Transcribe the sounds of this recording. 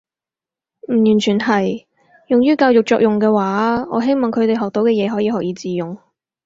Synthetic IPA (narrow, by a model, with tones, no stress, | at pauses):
m̩˨˩jyː˨˩nt͡ʃʰyː˨˩nhɐ˨j | jʊ˨ŋjyː˥kaː˧wjʊ˨k̚t͡ʃɔː˧˨k̚jʊ˨˩ŋkɛː˧waː˨˥ɔː˨˥ɦe˥jmɔː˨˩ŋkʰɥt̪e˨˩jɦɔː˨k̚t̪o˨˧wkɛː˧jɛː˨˧ɦɔː˨˥jiː˧ɦɔː˨k̚jiː˨˧t͡siː˨jʊ˨ŋ